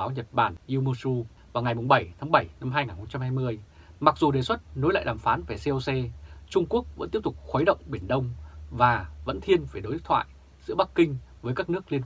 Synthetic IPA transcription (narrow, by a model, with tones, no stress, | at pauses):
aː˨˦wɲə˨˩t̚ɓaː˧˩nʔi˧mo˧su˧ | vaː˨˩wŋa˨˩jmʊ˨˩ŋ͡mɓə˧˩jt̪ʰa˨˦ŋɓə˧˩jna˧mhɦaː˧jŋaː˨˩nxə˧wŋ͡mt͡ɕa˧mhaː˧jmɨ˧əjma˨˩k̚zu˨˩ɗe˨˩swə˦˥t̚no˨˦jla̰ː˧˨ɗaː˨˩mfaː˨˦nva˧˩se˧ʔo˧wsɛ˧t͡ɕʊ˧ŋ͡mku˦˥ək̚və̰˧˥nt̪i˦˥əp̚t̪ʊ˨˩k͡p̚xwə˨˦jɗə̰˧˨wŋ͡mɓi˧˩ənɗə˧wŋ͡mvaː˨˩və̰˧˥nt̪ʰi˧ənve˧˩ɗo˨˦ʔ̚t̪ʰwa̰ː˧˨j | zɨ̰˧˥ɓa˦˥kːï˧ŋ̟vəː˨˦jkaː˦˥k̚nɨ˦˥ək̚li˧ən